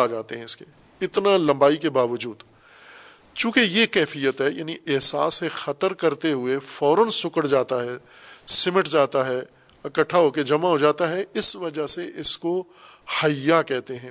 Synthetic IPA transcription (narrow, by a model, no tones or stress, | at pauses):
d͡ʒaːt̪eɦɛ̃ɪske | ɪt̪nalɐ̃mbaːikebaːʋəd͡ʒuːd̪ | t͡ʃũːkejekɛːfijət̪ɦɛja̰ːniʔɪɦsa̰ːsɦɛxɐt̪əɾkɐɾt̪eɦʊefɔːɾənsʊkəɽd͡ʒaːt̪aɦɛː | sɪmɪʈd͡ʒaːt̪aɦɛ | ɐkəʈʰːaɦoked͡ʒɐmaɦod͡ʒaːt̪aɦɛɪsʋɐd͡ʒəɦseʔɪsko | hɐjːakɛɦt̪eɦɛ̃ː